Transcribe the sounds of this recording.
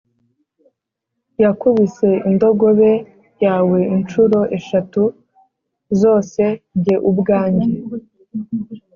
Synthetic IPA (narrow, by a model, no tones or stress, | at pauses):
jakuβise̞indo̞ɡo̞βe̞ | jaːwe̞int͡ʃuɾo̞ʔe̞ʃatu | zo̞ːse̞ɟe̞ʔubɡaːɲɟe